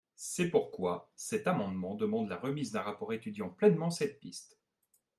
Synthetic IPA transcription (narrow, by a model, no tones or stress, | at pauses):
sɛpuʁkwasɛt̪amɑ̃d̪mɑ̃d̪əmɑ̃d̪laʁəmizd̪ɛ̃ʁapɔʁet̪yd̪jɑ̃plɛnmɑ̃sɛt̪̚pist̪